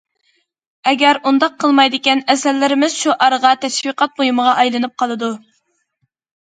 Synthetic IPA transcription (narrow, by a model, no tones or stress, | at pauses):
ɛɡʲɛɾund̪ɑq̚ʰːəlˠmɑjd̪ɪkʲɛnɛsɛlːɪɾɪmɪz̥ʃuʔɑɾəʁɑt̪ʰɛʃviqʰɑt̪̚bojuməʁɑʔɑjlˠɨnɨp̚qʰɑlˠɨd̪u